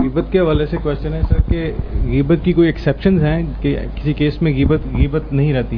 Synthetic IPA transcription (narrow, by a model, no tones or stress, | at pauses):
ɣiːbət̪keɦɐʋaːlesekwɛːst͡ʃənɦɛ̃sɐɾkeɣiːbət̪̚kikoːiɛksɛːpʃənzɦɛ̃kekɪsikeːsmẽɣiːbət̪ɣiːbət̪nɐɦĩɾɛɦt̪i